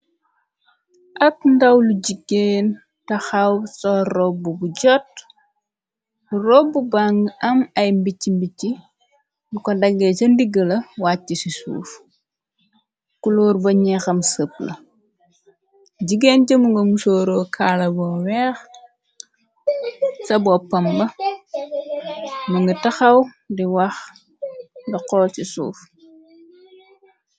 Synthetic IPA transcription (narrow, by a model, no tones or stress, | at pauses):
ʔɐt̚ndɐwluɟiɡeːn | tɐxɐwsɔrɔbubuɟɔt̚ | urɔbːubaŋɡɐmɐjmbicːimbicːi | lukɔdɐɡːɛt͡ʃɐndiɡɐlɐwaːtːisisṵːf | kulɔːrbɐɲɛxɐmsəp̚lɐ̰ | ɟiɡeːnɟɐmuŋɡɐmusoːɾoːkʰaːlɐbɔːwɛːx | sɐbɔpɐmbɐ | mɐŋɡɐtɐxɐw | diwɐx | dɐqɔːlsisṵːf